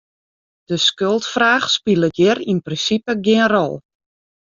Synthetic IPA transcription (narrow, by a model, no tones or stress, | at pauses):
d̥əskølˠtfraːxspilˠət̚jɪrinprinsipəɡɪənrɔ̰lˠ